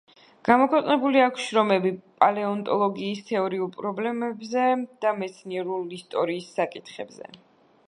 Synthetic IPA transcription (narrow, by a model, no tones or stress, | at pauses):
ɡ̥amɔkʰwɛqʼnɛbuliakʷʰʃɾɔmɛbipʼalɛɔnt̪ʼɔlˠɔɡiːst̪ʰɛɔɾiulˠpʼɾɔblɛmɛbzɛd̪̥amɛt̪sʰniɛɾulˠist̪ʼɔɾiːsːakʼit̪χɛbzɛ̰